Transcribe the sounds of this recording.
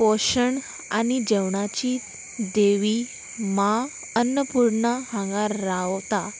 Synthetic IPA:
oɕəɳ | aɽ̃id͡ʑɛwɳat͡ɕiː | d̪eʋi | ma | ənːəpuɾɳəhãŋɡaɾːawt̪a

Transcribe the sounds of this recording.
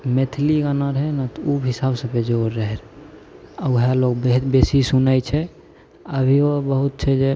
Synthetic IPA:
met̪ʰliɡənəɾɦɛnat̪ubɦisabsə̃bed͡ʒoɾːəɦɛɾ | auɦelokbeɦit̪besisunəjt͡ʃʰɛ | əbʱiobəɦut̪̚t͡ʃʰɛd͡ʒe

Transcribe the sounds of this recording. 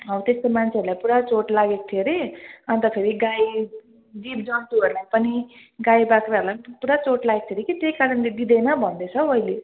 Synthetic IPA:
ʌbt̪est̪omant͡sʰeʌəɾulajpuɽat͡soʈlaɡek̚t̪ʰieɾeʌnt̪ʌpʰeɾiɡaj | d̪ipd͡zʌnt̪uʌɾulajpʌni | ɡajbakraːɾulajpuɽat͡soʈlaɡek̚t̪ʰeɾekit̪ejkaɾʌnled̪id̪ejnʌbʱʌnd̪et͡sʰʌʌile

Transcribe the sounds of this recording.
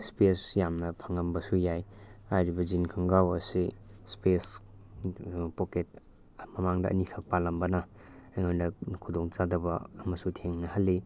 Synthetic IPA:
spesjamnɐpʰaŋɐmbɐsujajajɾibɐzinkʰaŋɡawɐsispes | poket̚ | mɐmaŋdɐʔːnikʰak̚palɐmbɐnɐ | ŋojnɐkʰudoŋt͡ʃadɐbɐːmɐsutʰeŋnɐhɐlːi

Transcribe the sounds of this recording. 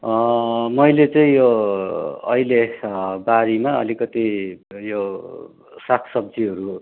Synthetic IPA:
mʌjlet͡sʌĩjo | ʌ̰ilebaɾimaʌ̰likʌt̪ijo | sakʰsʌbd͡ziɦʌɾu

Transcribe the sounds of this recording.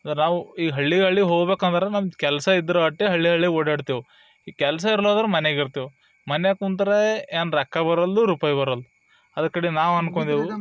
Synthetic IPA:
ɐd̪ɐɾenaːʋuiːɦɐɭːiɦɐɭːiɦoːɡbeːkɐnd̪ɐɾenamkɛlɐsɐid̪ːɐɾɐɐʈːiɦɐɭːiɦɐɭːioɽɐːɽt̪iːʋu | ikɛlɐs̬ɐiɾlod̪ɐɾemɐneɡiɾt̪iːʋu | mɐneakunt̪ɐɾeeːnɾɐkːɐbɐɾɐlːuɾuːpaːjbɐɾɐlːu | ɐd̪ɐkːɐɽinaːʋɐnkoɳd̪iʋu

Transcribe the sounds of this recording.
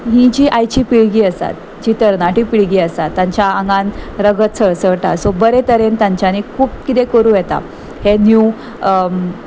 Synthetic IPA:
ɦĩd͡ʑiːʔajt͡ɕiːpiɭɡiːəst̪a̰t̪̚ | d͡ʑit̪əɾnãʈipiɭɡiːəst̪at̪ːãɲt͡ɕjaə̃ŋɡãnɾəɡət̪̚t͡sʰəɭsəɭʈasobəɾet̪əɾent̪ãɲt͡ɕjanikʰuːp̚kit̪ekəɾuːjɛt̪a̰ | henju

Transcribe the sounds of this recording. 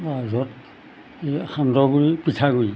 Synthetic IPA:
azɔt | exandɔɡuɹipitʰaɡuj

